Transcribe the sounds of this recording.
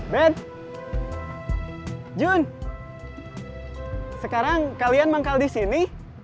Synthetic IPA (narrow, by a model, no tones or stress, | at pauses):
bɛt̪̚ | d͡ʒun | səkaɾaŋkalianmaŋkaldisini